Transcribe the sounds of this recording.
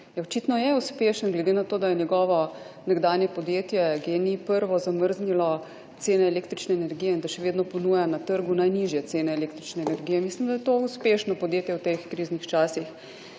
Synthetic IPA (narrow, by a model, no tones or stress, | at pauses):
jɛɔt͡ʃit̪nɔjɛuspeːʃənɡlɛd̪enat̪oːd̪ajɛnjɛɡɔːʋɔnɛɡd̪aːnjɛpɔd̪jeːt̪jɛɡeːnipəɾʋɔzaməɾznilɔ | t̪seːnɛːleːkt̪ɾit͡ʃnɛːnɛɾɡijɛind̪aʃɛʋeːd̪nɔpɔnujanat̪əɾɡunajniʒjɛt̪seːnɛːleːk̚t̪ɾit͡ʃnɛːnɛɾɡijɛmislimd̪ajɛt̪ouspeːʃnɔpɔd̪jeːt̪jɛwt̪exkɾiznixt͡ʃaːsix